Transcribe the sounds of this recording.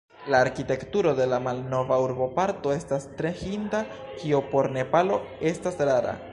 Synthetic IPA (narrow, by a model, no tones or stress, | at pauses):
laːɾkite̞ktuɾo̞de̞lamalno̞vauɾbo̞paɾto̞e̞stastɾe̞hinda | kiopo̞ɾne̞palo̞e̞stasɾaɾa̰